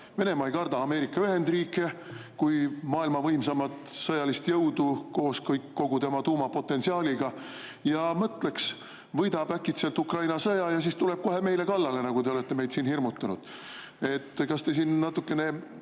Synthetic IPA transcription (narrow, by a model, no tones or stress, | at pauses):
ve̞ne̞mɑjkɑrd̪̥ɑːme̞ːɾikːˑɑyɦe̞nd̪riːkːˑe̞kujmɑːilmɑvɤjmsɑmɑt̪ˑsɤjɑlist̪jɤwd̪uko̞ːskɤjkːo̞ɡ̥ut̪e̞mɑt̪uːmɑpo̞t̪ːˑe̞nsiɑːliɡɑ | jɑmɤt̪ːˑleks | vɤjd̪̥ɑbækːˑit̪selt̪ukrɑjnɑsɤjɑjɑs̬ist̪ule̞b̥̚ko̞ɦe̞me̞jle̞kɑlːɑle̞nɑɡ̥ut̪e̞o̞le̞t̪ːe̞me̞jd̪siːnhirmut̪ːˑunud̪̥ | e̞t̪ːkɑst̪e̞siːnːɑt̪ːˑukːe̞ne̞